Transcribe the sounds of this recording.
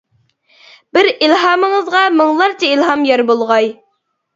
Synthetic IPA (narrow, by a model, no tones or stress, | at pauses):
b̥ɪɾilɦɑːmɨŋəzʁɑmɨŋlˠɑɾt͡ʃʰɛilɦɑmjɑɾbolˠʁɑj